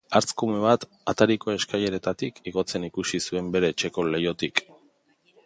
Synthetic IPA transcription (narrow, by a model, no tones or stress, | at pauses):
aɾt͡skume̞β̞at̪ | at̪aɾiko̞e̞skaje̞ɾe̞t̪at̪ikiɣo̞t͡se̞nikusisue̞mbe̞ɾe̞ːt͡ʃe̞ko̞le̞jo̞t̪ik